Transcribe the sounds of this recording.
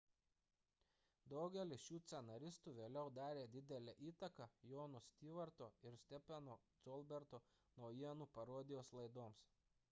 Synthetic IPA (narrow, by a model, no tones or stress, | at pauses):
d̪ɒʊɡʲɛlʲɪsʃuːt̪sʲɛnɐɾʲɪst̪uːʋʲeːlʲɛʊd̪ɑːɾʲeːd̪ʲɪd̪ʲɛlʲɛʔiːt̪ɐkɐjoːnʊsʲt̪ʲiːʋɐɾt̪oːɪɾsʲt̪ʲɛpʲɛnoːsɔlʲˠbʲɛɾt̪oː | nɒʊjiɛnuːpɐɾoːd̪ʲɪjoːslˠɐɪd̪oːms